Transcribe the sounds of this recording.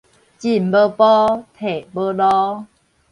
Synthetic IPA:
t͡ɕi˨m˨bə˦pɔ˦t̪ʰe˨bə˦lɔ˦

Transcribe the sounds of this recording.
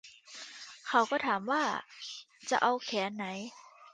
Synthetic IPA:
kʰa˨˩˦wkɔː˥˩t̪ʰaː˩˦mwaː˥˩ | t͡ɕa̰˨˩ʔa˧wkʰɛː˩˦nːa˩˦j

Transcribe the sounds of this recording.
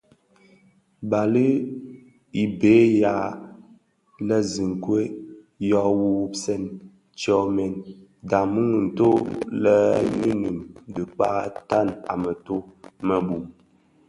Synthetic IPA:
ba˨li˦ | i˨be˨˦ja˨ | lə˦zi˨ŋ˨kwe˦ | jɔ˦wu˦wu˦psɛ˦˨n | t͡ʃɔ˦mɛ˨nda˨mu˦ŋ˨n̩˨to˦lə˦nṵ˦nu˨mdɨ˨k͡pa˦ta˦˨na̰˨mə˨to˦mə˨bu˨m

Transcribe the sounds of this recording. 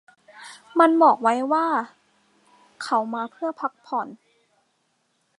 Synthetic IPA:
ma˧nbɔː˨˩k̚wa˦˥jwaː˥˩ | kʰa˦˥wmaː˧pʰɯ˥˩ɐpʰa˦˥k̚pʰɔː˨˩˦n

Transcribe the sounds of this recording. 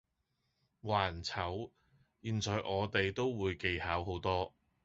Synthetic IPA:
waː˨˩nt͡sʰɐ˨˥w | jiː˨nt͡sɔː˨˧jʔɔː˨˧t̪e˨jt̪o˥wwuː˨˧jke˨jhaː˨˥wɦo˨˥wt̪ɔː˥

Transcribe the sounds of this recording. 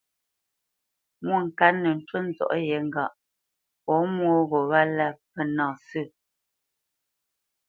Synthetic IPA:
mwo˦˨ŋ̩˨kaː˨˦ə˨n̩˦twə˦n̩˦zɔ̰˨ʔjɛ˨˦ŋ̩˦˨ɡa˨ʔ | pɔ˨˦mwo˦ɣo˨βa˦la˦˨pɛ˦˨nɔ̃ː˨sʉ˦˨

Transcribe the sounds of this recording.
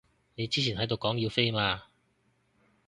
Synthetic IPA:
ne˨˧jt͡siː˥t͡ɕʰiː˨˩nhɐ˨˥jt̪o˨˧wkɔː˨˥ŋji˧wfe˥jmaː˧

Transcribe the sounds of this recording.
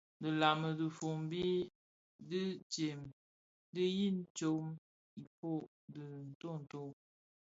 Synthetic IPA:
də˨la˨mə˨də˨fo˨m˦bi˦ | də˦t͡ʃe˨m | də˦ji˦˨n˦t͡ʃo˨˦m | i˨po˦˨ | də˨n̩˨to˦˨n̩˨to˦

